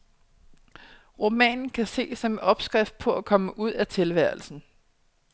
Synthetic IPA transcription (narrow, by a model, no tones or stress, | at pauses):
ʁomɛ̰ːnn̩kʰæse̝̰ːsɒmɒ̽b̥sɡ̥ʁafd̥̚pʰɒ̽ækʰɒ̽məʔuð̞̰ˠæt͡sʰe̝lʋæɐ̰lsn̩